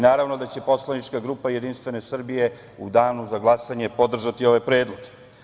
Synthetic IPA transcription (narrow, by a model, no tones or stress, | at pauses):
naːɾaʋno̞d̪at͡ɕe̞po̞slanit͡ʃkaɡɾuːpaje̞d̪inst̪ʋe̞ne̞sr̩bije̞ | ud̪aːnuzaɡlˠasaɲe̞po̞d̪r̩ʒat̪io̞ʋajpɾe̞ːd̪lˠo̞ɡe